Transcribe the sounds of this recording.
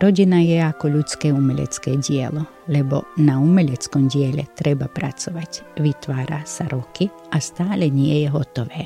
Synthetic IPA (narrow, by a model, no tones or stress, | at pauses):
ɾɔɟinajɛakɔʎut͡skɛːumɛʎɛ̰t͡skɛːɟɪɛ̰lɔ | lɛbɔ̰naumɛʎɛt͡skɔmɟɪɛʎɛ̰t̪ɾɛbapɾat͡sɔʋacʋit̪ʋaːɾa̰saɾɔki | ʔast̪aːlɛɲɪɛjɛɦɔt̪ɔʋɛː